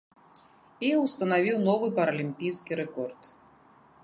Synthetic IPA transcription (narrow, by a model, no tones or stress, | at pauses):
iwst̪ɐnavʲiwnɔvɨpɐɾɐlʲimpʲijskʲiɾɛkɔrt̪